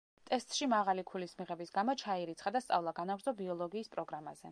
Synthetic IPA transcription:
t̪ʼɛst̪ʼʃimaʁalikʰulismiʁɛbisɡamɔt͡ʃʰaiɾit̪sʰχad̪ast̪sʼa̰vlˠaɡanavɾd̪zɔbiɔlˠɔɡiːspʼɾɔɡɾamaz̥ɛ

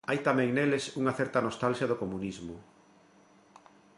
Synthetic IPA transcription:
ajt̪amɛ̃ŋnelesuŋɐθɛɾt̪ɐnost̪alʃjɐðokomunizmʊ

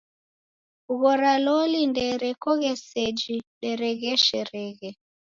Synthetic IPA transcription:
uɣɔɾalɔlindɛɾɛkɔɣɛsed͡ʒiɗɛɾɛɣɛʃɛɾɛɣɛ

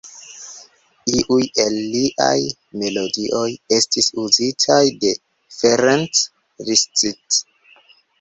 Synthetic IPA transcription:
iʔuje̞lːiʔa̰j | me̞lo̞diʔo̞je̞stisuzitʰajde̞ | feɾant | ɾist͡sit

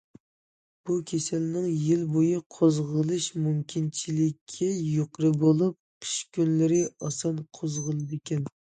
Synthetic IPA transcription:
b̥ukʲʰesɛlnɪŋjilbojɨqʰozʁəlˠɨʃmumkʲʰint͡ʃʰilɪkʲʰːijoqɾɨbolˠup̚qʰi̥ʃkʲynlɪɾɪɑsɑnqʰozʁəlˠɨd̪ɪkʲʰɛn

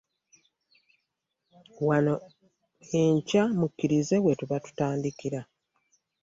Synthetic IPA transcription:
wano̞ | eɲcamucːiɾize̞we̞tuβatu̥taːndikiɾa

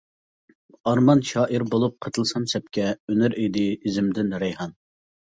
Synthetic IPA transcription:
ɑɾmɑnʃɑːʔiɾbolˠup̚qʰət̪ʰɨlˠsɑmsɛp̚kʲɛønyɾid̪ɪizɪmd̪ɪnɾɪjhɑn

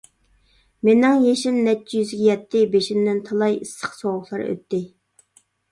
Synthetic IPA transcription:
menɪŋjeʃɪnːɛt͡ʃːijyzɡʲɛjɛt̪ʰːɪbeʃind̪ɪnt̪ʰɑlˠɑjisːə̥χsowʊχlˠɑɾø̰t̪ʰːɪ

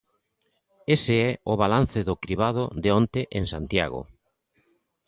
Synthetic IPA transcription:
esɪɛʊβalan̟θɪðʊkɾiβað̞ʊðeont̪eʔeŋsant̪ja̰ɣʊ̰

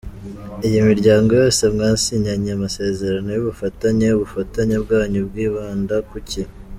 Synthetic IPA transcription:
ijimiɾɟaːŋɡo̞jo̞ːse̞mŋaːsiɲaɲeamase̞ːze̞ɾano̞juβufataɲe̞uβufataɲebɡaːɲubɡiːβaːndakuci

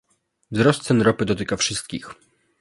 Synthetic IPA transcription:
vzɾɔst̪sɛnɾɔpɘd̪ɔt̪̬ɘkafʂɘst̪̚kʲix

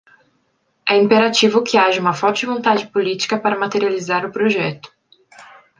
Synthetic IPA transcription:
ɛĩpeɾat͡ʃivʊkʰɪaʒɐũmɐfɔɾt͡ʃɪvõnt̪ad͡ʒɪpolit͡ʃi̥kɐpaɾɐmat̪eɾializaɾʊpɾoʒɛt̪ʊ̥

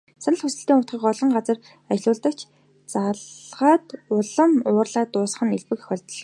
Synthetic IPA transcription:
sanə̆ɮχʊsə̆ɬt̪iːŋʊt̪χiːkɔɮɞ̆ɴɢat͡sə̆r | at͡ɕ̆ɮʊːɮt̪ə̆kt͡ɕʰ | t͡saʁaːt̪ʊɮə̆mʊːrɮaːt̪ːʊːsχə̆neɮpɘ̆kχɔɮʲt̪̆ɮɞ̆

